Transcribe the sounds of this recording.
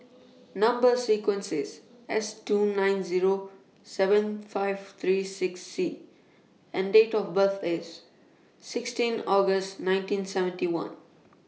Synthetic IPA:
nʌ̃mbəɾsiːkwə̃nsɪz | ɛsʈuːnãɪ̃nziːɾo | sɛʋə̃nfaɪʋt̪ʰɾiːsɪksːiː | ɛ̃nɖeːʈɔʋbəɾt̪ʰɪz | sɪksʈĩnɔːɡəsʈnãɪ̃nʈĩnsɛʋə̃nʈiwʌ̰̃n

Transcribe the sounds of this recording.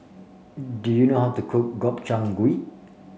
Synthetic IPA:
dujunohaʊtukʰuk̚ɡɔp̚t͡ʃãŋɡuiʔ

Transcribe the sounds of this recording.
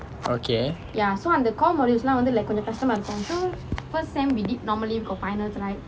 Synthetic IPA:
o̰kʰe | jasoãndəkɔlmɔɾilslãwə̃ndəlajkɔ̃ɲd͡ʒəkastə̃mãdəsɔ̃nsofəstːɛ̃mwidit̚nɔməlibikɔfajnəltulajt

